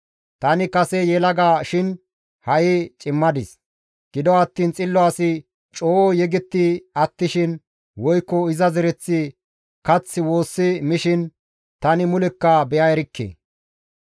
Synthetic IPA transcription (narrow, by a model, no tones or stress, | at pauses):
t̪ɐnɪkɐsɛjɛlɐɡaːʃɪn | hɐʔɪt͡ʃʼɪmːɐd̪ɪs | ɡ̥ɪd̪ɔɐt̪ːiːnt͡sʼɪlːɔaːsɪ | t͡ʃʼoːɔjɛɡɪt̪ːɪɐt̪ːɪʃɪn | wɔjkːɔɪzɐzɛɾɛt͡sːɪ | kɐt͡sːɪwo̞ːsːɪmɪʃɪn | t̪ɐnɪmʊlɛkːɐbɛjɐɛɾɪkːḛː